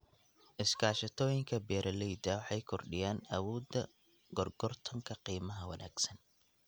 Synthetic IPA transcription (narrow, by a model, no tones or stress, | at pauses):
ʔɪskʰaːʃɐt̪ʰɔːjɪŋkʰɐbɛːɾʔɐlɛjd̪ɐwɑħɑjkʰɔrɖɪjaːnɐwɔːd̪ɐ | ɡɔrɡ̥ɔrt̪ʰɐŋkʰɐqiːmɐɦɐwɐ̰nʔa̰ːɡ̥sɐn